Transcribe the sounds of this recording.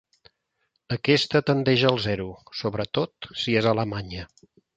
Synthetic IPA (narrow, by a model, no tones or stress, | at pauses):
əkɛst̪ət̪ənd̪ɛʒəːlˠzɛɾusoβɾət̪ot̪siezələmaɲə